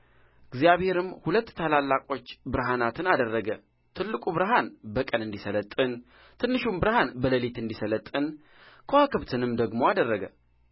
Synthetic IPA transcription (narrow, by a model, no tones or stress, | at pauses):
ʔɨɡzijaβhe̞ɾɨmhulət̪ːʰalalːakʼo̞t͡ʃːbɨɾɦanat̪ʰɨnad̪ərːəɡə | t̪ʰɨlːɨkʼuβɨɾɦanbəkʼənɨnd̪isələt̪ʼːɨn | t̪ʰɨnːɨʃumbɨɾhanbələlit̪ɨnd̪isələt̪ʼːɨn | kʰəwakʰɨβt̪ʰɨnɨmd̪əɡmo̞ad̪ərːəɡə